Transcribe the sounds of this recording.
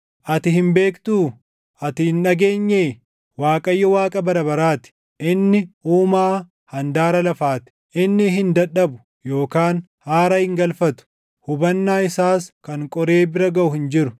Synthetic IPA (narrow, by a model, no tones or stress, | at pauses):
ʔɐt̪ɪhɪmbe̞ːkt̪uː | ɐt̪ɪhɪnːɐɡe̞ːɲːeː | waːkʼɐjːɔwaːkʼɐbɐɾɐbɐɾaːt̪ɪ̥ | ʔɪnːɪuːmaː | hɐnd̪aːɾɐlɐfaːt̪ɪ̥ʔɪnːɪɦɪnd̪ɐᶑɐbʊ | jo̞ːkaːn | haːɾɐhɪŋɡɐlfɐt̪ʊ̥ | hʊbɐnːaːɪsaːskɐŋkʼɔɾe̞ːbɪɾɐɡɐʔʊhɪnd͡ʒɪɾʊ